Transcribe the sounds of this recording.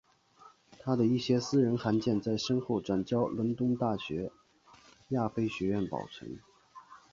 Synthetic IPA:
t̪ʰa˥d̪ə˨i˥˩ɕjɛ˥sɹ̩˥ɻə˧˥nxa˧˥nt͡ɕjɛ˥˧nt͡sa˥˩ɪʂɤ˥ŋxo˥˩ʊʈ͡ʂwa˨˩nt͡ɕjɑ˥ʊlwə˧˥nt̪ʊ˥ŋt̪a˥˩ɕɥɛ˧˥ | ja˥˩fe˥ɪɕɥɛ˧˥ɥɛ˥˩npɑ̰˨˩ʊʈ͡ʂʰɤ̰˧˥ŋ

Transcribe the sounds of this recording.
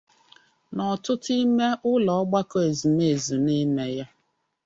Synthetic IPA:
nɔ˨tʊ˦ti˦me˦ʔʊ˦lɔ˨ɔ˦ɡ͡ba˦kɔ˦e˨zi˨m˦e˨e˨zi˨ni˦me˦ja˦

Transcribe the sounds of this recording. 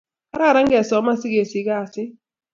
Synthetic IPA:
a˦ɾa˦˨ɾa˦ŋ˦ɡɛ˨sɔ˨˦ma˦sɪ˦ɡe˨si˨˦ka˦˨sɪ˦

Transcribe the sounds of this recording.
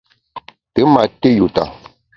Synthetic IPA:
tə˨˦ma˨te˦ju˨ta̰˨

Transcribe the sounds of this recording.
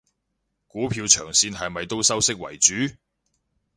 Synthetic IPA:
kuː˨˥pʰiː˧wt͡ʃʰœː˨˩ŋsiː˧nɦɐ˨jmɐ˨jt̪o˥wsɐ˥wsɪ˥k̚wɐ̰˨˩jt͡ʃyː˨˥

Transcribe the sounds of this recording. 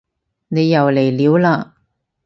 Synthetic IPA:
ne˨˧jːɐ˨˩wle˨˩jliː˨˧wlaː˧

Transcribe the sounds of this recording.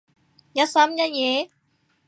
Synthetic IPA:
ja˦sa˦mja˦je˨˦

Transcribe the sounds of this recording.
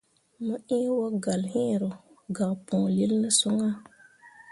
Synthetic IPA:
mə˦ʔĩ˦wo˦ɡa˨lhĩ˦˨ɾo˨ | ɡa˨pũ˨li˦lnə˦su˦ŋa˦

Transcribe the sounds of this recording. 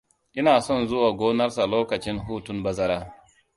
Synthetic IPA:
ʔɪ˦naː˨sɔ˦˨nzʊ˦waː˨ɡʷoː˦nɐ˦rsa˨loː˦kɐ˨t͡ʃɪ˦nɦuː˦tʊ˦mbɐ˦zɐ˦ɾaː˦

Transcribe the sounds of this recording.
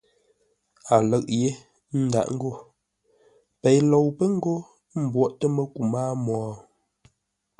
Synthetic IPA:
a˨lə˨ʔ̚je˦ | n̩˦da̰˦˨ʔŋ̩˦ɡo˦˨ | pɛ˨jlɔ˨wpə˦ŋ̩˦ɡo˦ | m̩˨bwɔ˦ʔtə˦mə˦ku˨maː˦mɔː˨

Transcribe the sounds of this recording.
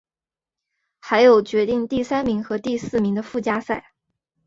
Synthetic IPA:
xa˧˥ɪjo˨˩ʊt͡ɕɥɛ˧˥t̪i˥˧ŋt̪i˥˩sa˥nmi˧˥ŋxɤ˧˥t̪i˥˧sɹ̩˥˩mi˧˥ŋd̪ə˧fu˥˩t͡ɕja˥sa˥˩ɪ

